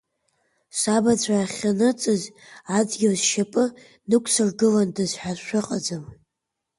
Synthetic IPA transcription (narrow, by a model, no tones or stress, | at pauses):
sabat͡sʷʰaːχʲanɨt͡sʼɨz | ad͡zɡʲawzʃapʼɨ | nɨkʷʰʼsɨrɡɨlandɨzħʷᶣazʃʷᶣɨqʼad͡zɨm